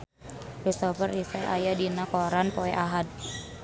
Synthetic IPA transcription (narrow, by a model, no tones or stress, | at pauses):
ɾist̪ɔfərisɛʔajadinakɔɾanpɔɛʔaɦad̚